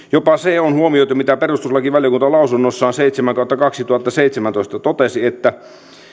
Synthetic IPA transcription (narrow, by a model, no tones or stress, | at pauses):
jopɑseonhuomiot̪umit̪æperust̪uslɑkiʋæljɑkunt̪ɑlɑusunːosːɑːnseit̪semæŋkɑˑut̪ːɑkɑksit̪uɑt̪ːɑseit̪semænt̪oˑist̪ɑt̪ot̪esiet̪ːæ